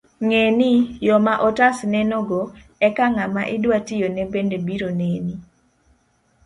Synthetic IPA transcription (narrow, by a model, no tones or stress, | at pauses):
ŋenijɔmaʔɔtasnɛnɔɡo | ɛkaŋamaʔɪdwatɪjonɛbendebiɾoneni